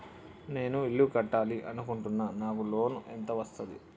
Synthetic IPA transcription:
ne̞ːnuiɭːukɐʈːaːliʔɐnukuɳʈunːaːnaːkulo̞ːnuʔent̪ɐʋɐst̪ɐd̪ḭ

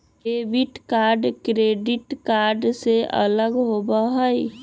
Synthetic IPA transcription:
kebiʈkaɾɖkɾeɖiʈkaɾɖseʔə̰ləɡɦobəɦəj

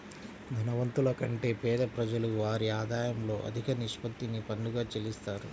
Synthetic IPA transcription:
d̪ʱɐnɐʋɐnt̪ulɐkɐɳʈe̞ːpɛːd̪ɐpɾɐd͡ʒɐluʋaːɾiaːd̪aːjɐmlo̞ːʔɐ̰d̪ʱikɐniʂpɐt̪ːinipɐnluɡaːt͡ʃelist̪aːɾu

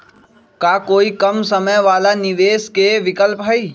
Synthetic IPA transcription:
kaːkoːikɐmsɐməjʋaːlanɪʋeːskeʋɪkəlpɦɐiː

